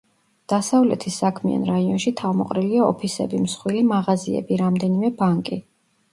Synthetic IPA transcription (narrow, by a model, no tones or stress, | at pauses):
d̪̥asavlɛt̪ʰisːakʰmia̰nɾaiɔnʃit̪ʰavmɔqʼɾiliaɔpʰisɛbimsχwilimaʁaziɛ̰biɾamd̪ɛnimɛbaŋkʼi